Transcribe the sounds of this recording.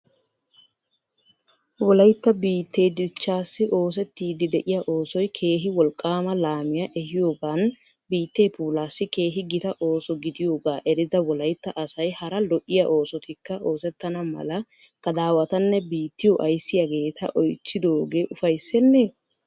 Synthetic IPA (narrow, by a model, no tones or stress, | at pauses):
wɔlɐjt̪ːɐbiːt̪ːe̞ːd͡ʒ̪ɪt͡ʃːaːsːɪʔo̞ːs̬ɛt̪ːiːd̪ɪd̪ɛʔɪjaʔo̞ːsɔjkʰe̞ːɦɪwɔlkʼːaːmɐlaːmɪjɐʔɛhɪjo̞ːɡaːn | biːt̪ːe̞ːpuːlaːsːɪke̞ːɦɪɡɪt̪ɐʔo̞ːsɔɡɪd̪ɪjo̞ːɡaːʔɛɾɪd̪ɐwɔlɐjt̪ːɐʔɐsɐjhɐɾɐlɔʔɪjɐʔo̞ːsɔt̪ɪkːɐʔo̞ːsɛt̪ːɐnɐmɐ̰lɐ | kɐd̪aːwɐt̪ɐnːɛbiːt̪ːɪjɔʔɐjsːɪjaɡe̞ːt̪ʰɐ̰ʔɔjt͡ʃːɪd̪o̞ːɡeːʔʊfɐjsːɛnːe